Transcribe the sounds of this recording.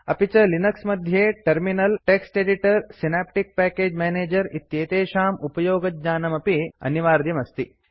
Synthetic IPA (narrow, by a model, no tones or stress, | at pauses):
ɐpit͡ʃɐlinɐksmɐd̪ʱjeːʈɐɾminɐlʈeksʈeːɖiʈɐɾsinaːp̚ʈik̚pæːkeːd͡ʒmeːneːd͡ʒɐɾit̪ːjeːt̪eːʃaːmupɐjoːɡɐt̪̚ɲaːnɐmɐpiɐ̰njɐʋaːɾd̪jɐmɐst̪i